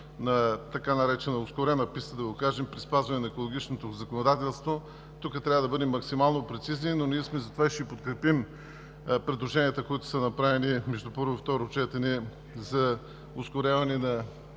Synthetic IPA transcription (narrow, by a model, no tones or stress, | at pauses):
nɐt̪ɐkanɐɾɛt͡ʃɛnoʊskʊɾɛnɐpist̪əd̪ɐɡokaʒɛmpɾispazvɐnɛnɐɛkolˠoɡ̟ʲit͡ʃnot̪ozɐkonod̪at̪ɛlˠst̪vo | t̪ukət̪ɾʲavəd̪ɐbɤd̪ɛmːɐksimalˠnopɾɛt̪sizninoniɛsmɛzɐt̪ovaiʃɛipot̪kɾɛpim | pɾɛd̪lˠoʒɛniət̪əkoit̪ʊ̥sɐnɐpɾavɛnimɛʒd̪upɤɾvoift̪ɔɾot͡ʃɛt̪ɛnɛ | zɐ | ʊskʊɾʲavɐnɛnɐ